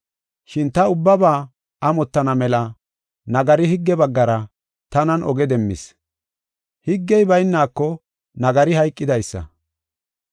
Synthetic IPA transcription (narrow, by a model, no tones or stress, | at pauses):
ʃɪnt̪ɐʊbːɐbaː | ʔɐmɔt̪ːɐnɐmɛlɐ | nɐɡɐɾɪɦɪɡːɛbɐɡːɐɾɐ | t̪ɐnɐnʔɔɡɛd̪ɛmːɪ̰s | hɪɡːɛjbɐjnːaːkːɔ | nɐɡɐɾɪhɐjkʼːɪd̪ɐjsːɐ̰